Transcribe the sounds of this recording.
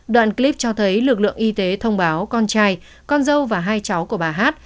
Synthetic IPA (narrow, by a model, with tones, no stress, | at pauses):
ɗwa̰ː˧˨nkli˦˥p̚t͡ɕɔ˧t̪ʰə˨˦jlɨ˨˩k̚lɨ̰˧˨əŋʔi˧t̪e˨˦t̪ʰə˧wŋ͡mɓaː˨˦wkɔ˧nt͡ɕaː˧j | kɔ˧nzə˧wvaː˨˩ɦaː˧jt͡ɕa˨˦wku˧˩əɓaː˨˩ɦaː˦˥t̚